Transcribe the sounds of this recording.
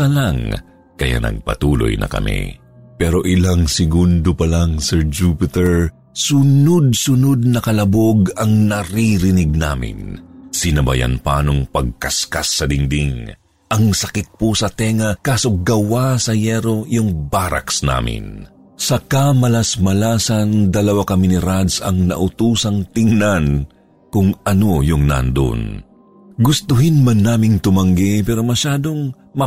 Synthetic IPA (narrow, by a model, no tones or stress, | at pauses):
ɐlaŋ | kɐja̰nɐ̰ɡ̚pɐ̰t̪uːlo̰jnɐ̰kɐ̰mḭ | pɛɾo̞ʔɪlaŋsɪɡund̪opɐlaŋsɛɹd͡ʒuːpɪt̪ɛɹ | sʊnod̪̚sʊnod̪̚nɐkɐlɐboɡɐŋnɐɾiɾɪnɪɡ̚naːmɪ̰nsɪnɐbɐ̰ja̰npanoŋpɐɡ̚kɐskasːɐd̪ɪŋd̪iŋ | ʔɐŋsɐkɪt̪̚pusɐt̪ɛŋɐkaːsoɡɐwasɐjɛɾo̞jʊŋbaɾɐ̰ksna̰ːmɪ̰n | sɐkɐmɐlɐsmɐlaːsɐnd̪ɐlɐwakɐminɪɾad̪sɐ̰ŋnɐ̰ʔʊt̪uːsɐŋt̪ɪŋnan | kʊŋɐno̞jʊŋna̰nd̪o̰n | ɡʊst̪ʊɦɪnmɐnːaːmɪŋt̪ʊmɐŋɡɛpɛːɾo̞mɐʃaːd̪oŋ | mɐ